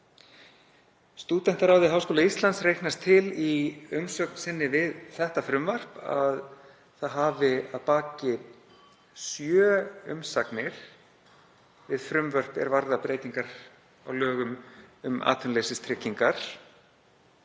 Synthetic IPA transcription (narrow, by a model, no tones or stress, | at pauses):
st̪uːt̪ɛn̥t̪aɾawðɪɦawskoːlaist̪lant̪srejknast̪ʰɪliʏmsœk̚nsɪnːɪvɪðθɛht̪afɾʏmvar̥pa̰ð | θaðɦavɪaðpaːcɪ | sjœːʏ̰msaknɪɾ̥ | vɪðfɾʏmvœr̥pɛ̰ɾvaɾðapɾeːjt̪iŋkaɾ̥ | a̰wlœːɣʏmʏma̰ːt̪ʰʏnlesɪst̪ʰɾɪcːiŋkaɾ̥